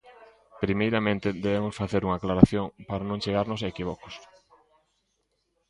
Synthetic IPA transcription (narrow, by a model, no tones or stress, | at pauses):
pɾimejɾamẽnt̪ɪðeβemʊsfaθeɾuŋaːklaɾaθjoŋpaɾanõŋt͡ʃeɣaɾnosekiβ̞ɔko̥s